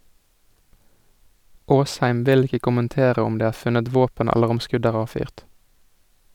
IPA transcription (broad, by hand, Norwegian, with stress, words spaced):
ˈʔoːsˌhæɪm ˈʋɪl ˈɪkə kʊmənˈteːʁə ˈɔm ˈdeː ˈæːʁ ˈfʉnət ˈʋoːpən ˈæləʁ ˈɔm ˈskʉd ˈæːʁ ˈɑːʋˌfyːʁt